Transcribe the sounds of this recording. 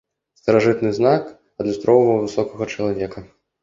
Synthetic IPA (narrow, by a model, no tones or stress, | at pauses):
st̪ɐɾaʐɨt̪nɨznak | ɐd̪lʲust̪ɾʔɔwvɐwvɨsɔkɐɣɐt͡ʃɐlˠavʲɛkɐ